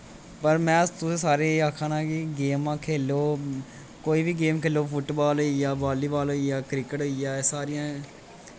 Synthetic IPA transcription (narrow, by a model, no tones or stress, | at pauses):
pəɾmɛ̃ːt̪ʊsẽːsaːɾeːaːkʰãːnãːkiɡeːmãːkʰeːloː | koːiːbiɡeːmkʰeːloːfʊʈbaːloijaːbaːliːbaːloijaːkɾɪkəʈɦoijaːsaːɾijãː